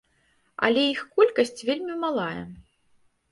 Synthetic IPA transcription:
ɐ̰lʲɛixkɔlʲkɐsʲt͡sʲvʲelʲmʲimalˠajɛ̰

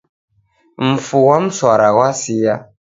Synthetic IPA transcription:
m̩fuwam̩swaɾawasija

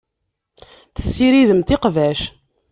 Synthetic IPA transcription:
θə̥sːiɾiðəmt̪iqvæʃ

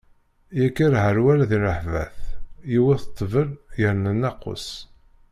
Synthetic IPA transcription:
jækːiɾʕəɾwæɾaðiɾəħvæ̰θjiwiθə̥t̪ˤːvəljəɾnənːɑqːo̰s

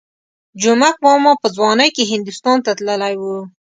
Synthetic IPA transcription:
d͡ʒʊmak̚bɑmɑpəzwɑnəjkeɦɪnd̪ust̪ɑnt̪at̪ləlajwu

